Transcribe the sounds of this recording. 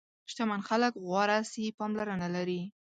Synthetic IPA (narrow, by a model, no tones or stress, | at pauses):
ʃt̪amanxaləkɣwɑɾasipɑmlaɾanalaɾi